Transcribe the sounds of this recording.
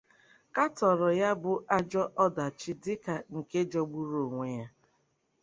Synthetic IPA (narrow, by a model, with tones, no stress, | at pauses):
ka˦tɔ˨ɾɔ˨ja˦bʊ˨ʔa˦d͡ʒɔ˦ʔɔ˦da˨t͡ʃɪ˦dɪ˦ka˨ŋ̩˨ke˦d͡ʒɔ˦ɡ͡bu˦ɾo˨ŋʷe˨ja˦